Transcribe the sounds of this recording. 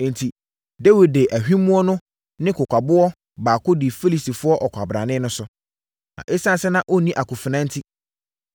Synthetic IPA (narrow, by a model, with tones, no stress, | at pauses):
ntʰi˨ | de˦wi˨d̚de˨ʔæ˨hᶣĩ˦mũ˦ɔ˦nʊ̃˦ | nɪ̃˦kʊ˨kʷa˨bʊ˦ɔ˦ | baː˨kʊ˦dɪ˨fi˦li˨si˨fʊ˦ɔ˦ʔɔ˨kʷʰa˨bɾã̰˨nɪ̃˦nʊ̃˦sʊ˦ | nã̰˨ʔe˦sa˦˨sɛ˦nã˦ʔo˦nĩ˦ʔa˨kʊ˨fɪ˨nã˦n˦tʰi˦